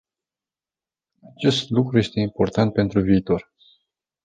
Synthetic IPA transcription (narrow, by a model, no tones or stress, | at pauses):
at͡ʃe̞st̪lukɾuje̞st̪e̞impo̞rt̪ant̪̚pe̞nt̪ɾuviːt̪o̞r